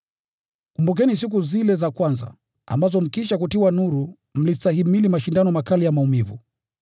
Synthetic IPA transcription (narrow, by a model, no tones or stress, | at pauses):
kumbuk̬ɛnis̬ik̬uzilɛzakwanza̰ | a̰mbazɔm̩kiʃ̬ak̬utiwanuɾu | m̩listahimilimaʃindanɔmakalijamaumivṵ